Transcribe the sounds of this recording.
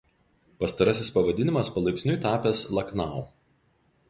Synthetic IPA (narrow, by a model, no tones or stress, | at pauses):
pɐst̪ɐɾɐsʲɪspɐʋɐd̪ʲɪnʲɪmɐspɐlˠɐɪkʲsʲnʲʊɪt̪ɑːpʲeːslˠɐknɑˑʊ